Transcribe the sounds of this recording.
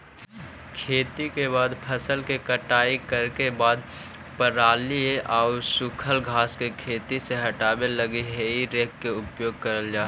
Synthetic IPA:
kʰeːt̪ikeβaːd̪pʰəsəlkekəʈaːikəɾkebaːd̪ | pəɾaːlieʔaːʊsʊkʰəlɡʱaːskekʰeːt̪iseɦɐʈaːbeləɡiɦeiɾeːkːeʊpjoːɡ̚kəɾəld͡ʒaː

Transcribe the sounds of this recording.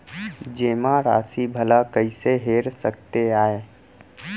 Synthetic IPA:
d͡ʒeːmãɾa̰ːsibʱəlakəɪseɦeːɾsək̚t̪eaːe

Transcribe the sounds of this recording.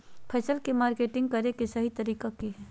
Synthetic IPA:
pʰɛːsəlkemaːɾkeːʈɪ̃ŋɡ̚kɐɾekesɐɦit̪ɐɾiːkakeɦ

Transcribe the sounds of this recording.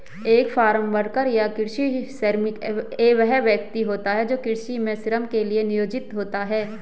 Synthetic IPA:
eːkfaːɾə̃mbəɽkəɾjakɪɾʃiseɾmɪkeːʋɛɦɛʋjək̚t̪iɦoːt̪aɦɛd͡ʒoːkɪɾʃimẽsɪɾəmkelienɪjoːd͡ʒɪt̪ɦoːt̪aɦɛː

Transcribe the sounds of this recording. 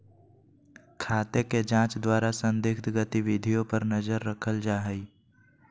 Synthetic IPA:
kʰaːt̪eked͡ʒãːt͡ʃd̪waːɾasə̃nd̪ɪkt̪ɡət̪iʋɪd̪ʱijõpəɾnəzəɾːəkʰəld͡ʒaːɦəi

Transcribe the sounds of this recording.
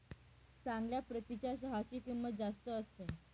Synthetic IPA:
t͡sãŋɡljapɾət̪it͡ɕas̬əɦat͡ɕiːkimʋəd͡zast̪əːst̪e

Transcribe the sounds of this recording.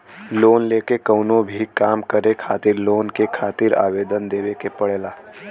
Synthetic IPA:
loːnleːkekɐʊnõbʱikaːmkəɾekʰaːt̪ɪɾloːnkekʰaːt̪ɪɾa̰ːʋeːd̪ənd̪eːʋekepɐɽeːlaː

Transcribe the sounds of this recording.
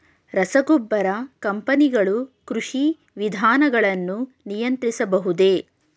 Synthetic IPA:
ɾɐsɐɡobːɐɾɐkɐmpɐniɡɐɭukɾuʂi | ʋid̪ʱaːnɐɡɐɭɐnːu | nijɐnt̪ɾisɐbɐɦud̪e̞ː

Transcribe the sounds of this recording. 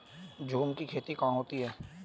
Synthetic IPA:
d͡ʒʱuːmkikʰeːt̪ikãːɦoːt̪iɦɛː

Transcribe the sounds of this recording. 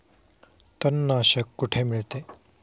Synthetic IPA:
t̪ənːəəɕekːuʈʰemiɭt̪e

